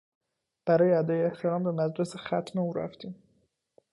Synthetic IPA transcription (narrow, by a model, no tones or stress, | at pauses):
b̥æɾɒːjeæd̪ɒːjeeht̪ʰeɾɒːmbemæd̪ɾesexæt̪ʰmeuːɾæ̰ft̪iːm